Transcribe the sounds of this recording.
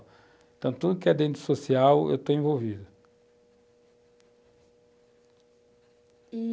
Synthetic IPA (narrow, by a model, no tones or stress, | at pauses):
ẽnt̪ɐ̃w̃t̪ud̪ʊkɪɛd̪ẽnt̪ɾʊ̥sosiawḛwt̪oẽvowvid̪ʊ